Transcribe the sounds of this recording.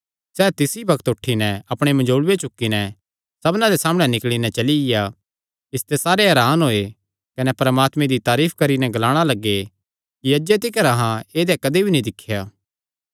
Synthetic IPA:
sɛːt̪ɪsibɐkt̪ʊʈʰːinɛɐpɽ̃emɐd͡ʒoːɽwet͡ʃʊkːinɛ | sɐbnãd̪esaːm̃ɛnɪkɭinɛt͡ʃɐliɡɪja | ɪst̪esaːɾeɦɛːɾaːnɦoːe | kɐnɛpɐɾmaːt̪mẽd̪it̪aːɾiːpʰkɐɾinɛɡɐlaːɽ̃alɐɡːe | kiɐd͡ʒet̪ɪkəɾaɦãeːd̪ekɐd̪ebʱinĩd̪ɪkʰːɪjaː

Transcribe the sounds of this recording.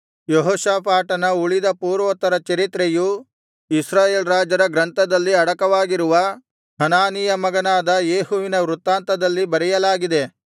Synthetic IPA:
joɦoːʃaːpaːʈɐnɐuɭid̪ɐpuːɾʋɐt̪ːɐɾɐt͡ʃɐɾit̪ɾeju | isɾaːjeːlɾaːd͡ʒɐɾɐɡɾɐnt̪ʰɐd̪ɐlːiɐɽɐkɐʋaːɡiɾuʋɐ | hɐnaːnijɐmɐɡɐnaːd̪ɐjeːɦuʋinɐʋɾut̪ːaːnt̪ɐd̪ɐlːibɐɾɛjɐlaːɡid̪e̞

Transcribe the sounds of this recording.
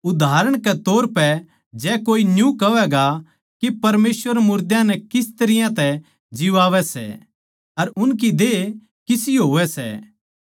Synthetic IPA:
ʊd̪ʱaːɾəɽ̃kɛt̪oːɾpɛ | d͡ʒɛːkoːinjũkɐʋɛɡa | kepɐɾmeːsʋəɾmʊɾd̪jãnɛkɪst̪ɐɾɪjãt̪ɛ | d͡ʒɪʋaːʋɛsɛ̰ | ɐɾʊnk̬id̪e | kɪsiɦoːʋɛsɛ̰

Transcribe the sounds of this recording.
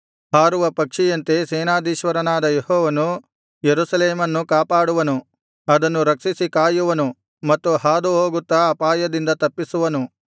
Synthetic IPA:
haːɾuʋɐpɐkʂijɐnt̪e̞sɛːnaːd̪iːʃʋɐɾɐnaːd̪ɐjehɔːʋɐnu | jeɾusɐleːmɐnːukaːpaːɽuʋɐnu | ɐd̪ɐnːuɾɐkʂisikaːjuʋɐnu | mɐt̪ːuɦaːd̪uɦoːɡut̪ːɐːpaːjɐd̪ind̪ɐt̪ɐpːisuʋɐnu

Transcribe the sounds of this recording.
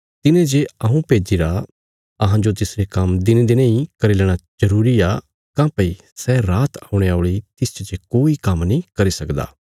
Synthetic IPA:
t̪ɪnẽd͡ʒeɐɦũpeːd͡ʒiːɾa | ɐɦãd͡ʒot̪ɪsɾekɐmd̪ɪned̪enãːĩkɐɾilɛːɽ̃ad͡ʒɐɾuːɾiaː | kãːpɐi | sɛːɾaːt̪aʊ̃ɽ̃eoːɭit̪ɪst͡ʃt͡ʃekoːikɐmnĩkɐɾisɐkd̪a̰ː

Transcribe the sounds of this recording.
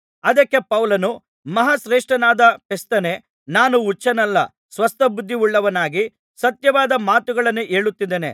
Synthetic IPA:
ɐd̪ɐkːe̞pɐwlɐnu | mɐɦasɾeːʂʈɾɐnaːd̪ɐpest̪ɐne̞ | naːnuːt͡ʃːɐnɐlːɐ̰ | sʋɐst̪ɐbud̪ʱːiuɭːɐʋɐnaːɡi | sɐt̪jɐʋaːd̪ɐmaːt̪uɡɐɭɐnːuʔeːɭut̪ːid̪eːnḛ

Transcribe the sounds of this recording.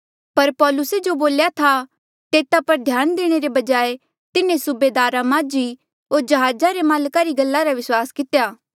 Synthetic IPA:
pɐɾpɔːlʊsed͡ʒoboːljat̪ʰa | t̪eːt̪apɐɾd̪ʱjaːnd̪eːɽ̃eɾebɐd͡ʒaːe | t̪ɪnẽsʊbeːd̪aːɾãmãːd͡ʒi | ɦoːɾd͡ʒɐɦaːd͡ʒaɾemaːlkaɾiɡɐlːaɾaʋɪswaːskɪt̪ejaː

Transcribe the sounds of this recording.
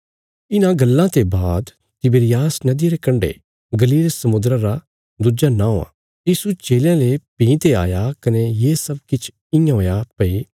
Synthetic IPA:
ɪnãɡɐlːãt̪ebaːd̪ | t̪ɪbeɾɪjaːsnɐd̪ɪɾekɐ̃ɳɖḛ | ɡɐliːlesɐmʊnd̪ɾãɾa | d̪ud͡ʒanaɦoːã̰ | jiːsut͡ʃeːljãlepĩːt̪ea̰ːjakɐnejeːsɐbkɪt͡ʃʰ | ɪ̃jãɦoːjapɐi

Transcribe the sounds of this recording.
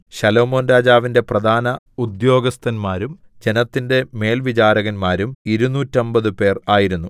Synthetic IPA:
ɕɐlo̞ːmo̞ːnɾaːd͡ʑaːʋinde̞prɐd̪ʱaːnɐ | ud̪jo̞ːɡɐst̪ʰɐnmaːɾum | d͡ʑe̞nɐt̪ːinde̞me̞ːlʋit͡ɕaːɾɐɣɐnmaːɾumiɾunːuːtːombɐðɨpe̞ːraːjiɾunːu

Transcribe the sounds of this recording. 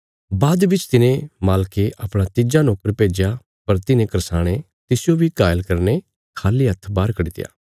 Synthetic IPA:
baːd̪ʋɪt͡ʃt̪ɪnẽmaːlkeʔapɽ̃at̪ɪd͡ʒanoːkəɾpeːd͡ʒja | pɐɾt̪ɪnẽkəɾsaːɽ̃e | t̪ɪsjobʱikaːjəlkɐɾne | kʰaːliɦɐt̪ʰbaːɾkɐɽit̪ɪ̰ja̰ː

